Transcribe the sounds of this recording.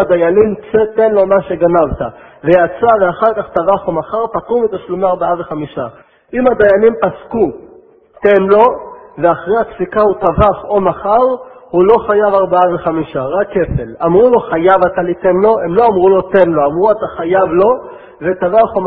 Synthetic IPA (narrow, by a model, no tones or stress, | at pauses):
ad̪ajanimt͡set̪e̞nlo̞maʃe̞ɡanavta | ve̞jat͡saveaχaʁkaχt̪avaχomaχaʁpatumet̪aʃlumeaʁbaaveχamiʃa | ʔimad̪ajanimpasku | t̪enlo̞ve̞aχʁehaksikaut̪avaχo̞maχaʁhulo̞χajavaʁbaaveχamiʃaʁakːe̞fe̞lamʁulo̞χajavatalitenlo̞e̞mlo̞amʁulo̞te̞nlo̞amʁuataχajavlo̞ | ve̞t̪avaχo